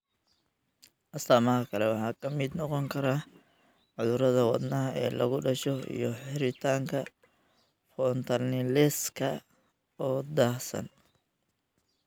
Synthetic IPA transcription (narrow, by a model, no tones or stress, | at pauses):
ʔɐst̪aːmɐɦɐkʰɐlɛwɑħɑːkʰɐmɪd̪nɔqɔŋkʰɐɾaː | ʕʊðʊɾɐðɐwɑ̰d̪nɐːɐɛ̰ːlɐ̰ɣʊɖɐʃɔḭjɔħɪɾɪt̪ʰaːŋkʰɐ | fɔnt̪ʰɐnɪlɛskʰɐ | ɔːd̪aːsɐ̰n